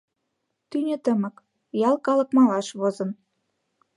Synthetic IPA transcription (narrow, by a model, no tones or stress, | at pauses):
t̪ynʲɘ̆t̪ə̆mə̆k | jɑlˠkɑlɤ̆kmɑlɑʃβozɤ̆n